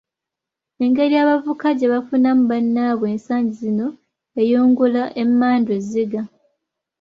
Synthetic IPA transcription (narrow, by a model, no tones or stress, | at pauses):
e̞ŋɡe̞ɾijaːβavukaɟeβafunamuβanːaβwe̞ːnsaːɲɟizino̞ | e̞joːŋɡulaʔe̞mːaːndweziɡa